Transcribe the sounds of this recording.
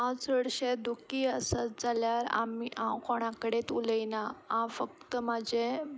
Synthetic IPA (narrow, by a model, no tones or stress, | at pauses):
ãwt͡səɽɕed̪ukiəsat͡sd͡zaljaɾa̰miʔãwkoɽ̃ãkəɽet̪uləjnaãfək̚t̪əmad͡ʑʱe